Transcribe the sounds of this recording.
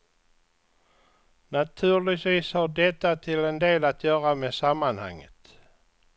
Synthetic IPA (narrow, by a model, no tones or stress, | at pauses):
nat̪ʰʉ̟ːɭɪt̪viːshaɖɛt̪ːat̪ʰɪlɛnd̪eːlat̪jœːɾameːsamːanha̰ŋːə̰t̪